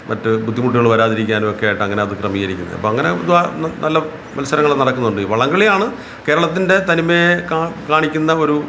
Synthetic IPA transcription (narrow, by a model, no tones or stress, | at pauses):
mɐtːɨbʱud̪ʱːimuʈ̬ːiɣɐɭʋɐɾaːðiɾik̬ʲːaːnumokːe̞jaːjʈːɨɐŋːɐne̞ɐðɨkrɐmijɐiɾikʲːunːɐ̰ɐ̰pːoːɐŋːɐne̞ud̪anɐlːɐ | mɐlɐsːɐɾɐŋːɐɭenɐɽɐkːunːuɳɖɨʋɐɭɐŋɡɐɭijaːɳɨ | ke̞ːɾɐɭɐt̪̬ːinde̞t̪ɐnimːekakaːɳikʲːunːɐo̞ɾu